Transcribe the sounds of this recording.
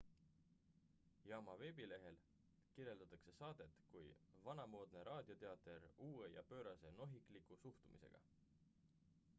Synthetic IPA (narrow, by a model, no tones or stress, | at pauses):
jɑːmɑve̞ːbile̞ɦe̞l | kiɾje̞ld̪ɑt̪ːˑɑkse̞sɑːd̪̥e̞t̪kujvɑnɑmo̞ːd̪̥ne̞ɾʔɑːd̪̥ʲjo̞t̪e̞ɑt̪ːˑe̞ɾuːe̞jɑ̰pø̞ːɾɑse̞no̞ɦikˑlikˑusuht̪umḭse̞̰ɡ̥ɑ̰